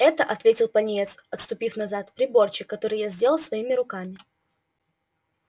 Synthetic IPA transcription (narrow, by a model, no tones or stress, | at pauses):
ɛt̪əʔɐt̪vʲetʲɪlˠpɐnʲɪet̪sɐt̪st̪ʊpʲifnɐzat̪pɾʲɪbo̞rt͡ɕɪkːɐt̪o̞ɾɨjazʲdʲe̞lˠəlˠsvɐimʲɪɾʊkamʲɪ